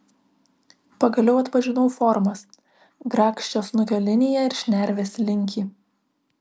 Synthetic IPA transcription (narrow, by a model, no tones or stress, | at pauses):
pɐɡɐlʲɛʊɐt̪pɐʒʲɪnɔʊfɔɾmɐs | ɡɾɑːkʃʲt͡ʃʲoːsnʊkʲoːlʲɪnʲɪjɛɪɾʃʲnʲæɾʲʋʲeːsʲlʲɪŋʲkʲiː